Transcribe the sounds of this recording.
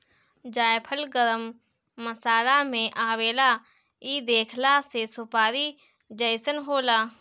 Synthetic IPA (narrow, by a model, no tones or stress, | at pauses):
d͡ʒaːjpʰəlɡəɾəmː | əsaːlamẽʔaːweːla | iːd̪eːkʰlasesʊpaːɾi | d͡ʒəjsənɦoːlaː